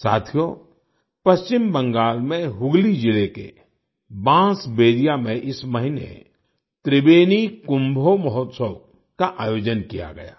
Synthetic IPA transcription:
sa̰ːt̪ʰijo | pɐst͡ʃɪmbə̃ŋɡaːlmẽɦʊɡlid͡ʒɪlekḛ | bãːsbeːɾijamẽʔɪsməɦɪnḛ | t̪ɾɪbeːnikʊ̃mbʱoməɦɔt̪səw | kaʔaːjoːd͡ʒənkija̰ɡɐ̰ja̰ː

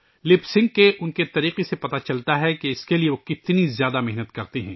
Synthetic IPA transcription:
lɪpsɪ̃ŋɡ̚keʔʊnket̪ɐɾiːqesepɐt̪at͡ʃɐlt̪aɦɛkeɪskelieʋokɪt̪nizjaːd̪amɛɦnət̪kɐɾt̪eɦɛ̃ː

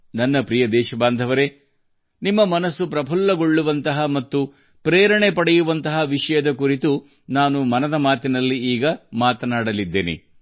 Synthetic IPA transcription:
nɐnːɐpɾijɐd̪ɛːʃɐbaːnd̪ʱɐʋɐɾe | nimːɐmɐnɐsːupɾɐbʱɐlːɐɡo̞ɭːuʋɐnt̪ɐɦɐmɐt̪ːu | pɾeːɾɐɳepɐɽɛjuʋɐnt̪ɐɦɐʋiʂɐjɐd̪ɐkuɾit̪u | naːnumɐnɐd̪ɐmaːt̪inɐlːiiːɡɐmaːt̪ɐnaːɽɐlid̪ːḛːnḛ

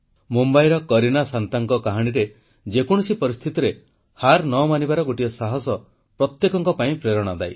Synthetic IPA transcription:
mumbajɾɔkɔɾinasant̪aŋkɔkaɦaɽ̃iɾe | d͡ʒekɔɽ̃ɔsipɔɾist̪ʰit̪ɔɾe | haɾnɔmanibaɾɔɡoʈijɔsaɦɔsɔ | pɾɔt̪jekɔŋkɔpaĩpɾeɾɔɽ̃ɔd̪aj

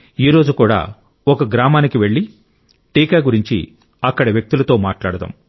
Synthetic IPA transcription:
iːɾo̞ːd͡ʒukuːɽa̰ː | ɔkɐɡɾaːmaːnikiʋe̞ɭːi | ʈiːkaːɡuɾiɲt͡ʃḭ | ɐkːɐɽɐʋjɐk̚t̪ulɐt̪o̞ːmaːʈlaːɽɐd̪ɐ̰ːm

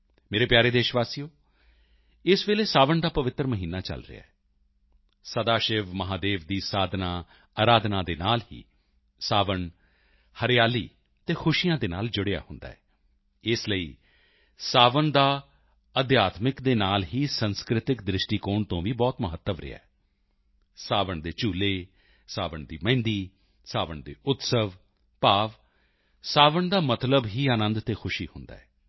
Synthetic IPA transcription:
meːɾeːpjaːɾeːd̪eːʃʋaːsijoː | ɪsʋeːleːsaːʋəɳd̪aːpəʋɪt̪ːɾəməɦiːnaːt͡ʃə̰lɾɪ̰a̰ːɛ | səd̪aːʃɪʋməɦaːd̪eːʋd̪iːsaːd̪naː | aːɾaːd̪nãːd̪eːnaːlɦḭː | saːʋəɳ | həɾɪjaːliː | t̪eːkʰʊʃijãːd̪eːna̰ːld͡ʒʊɽeja̰ːhʊnd̪a̰ːɛː | ɪsləḭː | saːʋəɳd̪aː | əd̪jaːt̪mɪkd̪eːnaːlɦiːsənskɾɪt̪ɪkd̪ɾɪʃʈiːkoːɳt̪õːʋiːbɔːt̪məɦət̪ːəʋɾɪ̰a̰ɛː | saːʋəɳd̪eːt͡ʃuːleː | saːʋəɳd̪ḭːmɛ̃ːnd̪iː | saːʋəɳd̪ḛːʔʊt̪səʋ | paːʋ | saːʋəɳd̪aːmət̪ləbɦiːaːnə̃nd̪t̪eːkʰʊʃiːhʊnd̪a̰ːɛː

